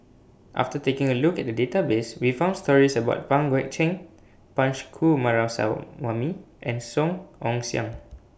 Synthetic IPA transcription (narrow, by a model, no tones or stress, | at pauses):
ʔa̰ftətekɪ̃ŋəlukɛt̚dədetabeswifãʊ̃ndstɔɹisəbaʊt̚pãŋɡwɛk̚t͡ʃɛ̃ŋ | pãnt͡ʃkʰumaɹasa̰wami | ʔɛ̃nsɔ̃ŋɔ̃ŋsiã̰ŋ